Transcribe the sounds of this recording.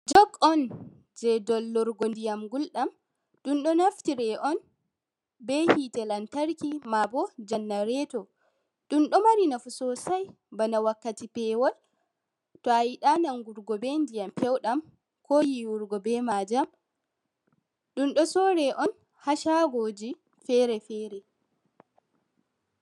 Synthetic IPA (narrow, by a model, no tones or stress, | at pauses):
d͡ʒɔɡɔn | d͡ʒɛdɔlːɔɾɡɔndijamɡulɗam | ɗunɗɔnaftiɾɛʔɔn | bɛhitɛlantaɾkimabɔd͡ʒanːaɾɛtɔ | ɗunɗɔmaɾinafusɔsaj | banawakːatipɛːwɔl | tɔajiɗanaŋɡuɾɡɔbɛndijampɛwɗam | kʰɔːjiwuɾɡɔbɛmad͡ʒam | ɗunɗɔsɔɾɛʔɔn | haʃaɡoːd͡ʒi | fɛɾɛfɛɾɛ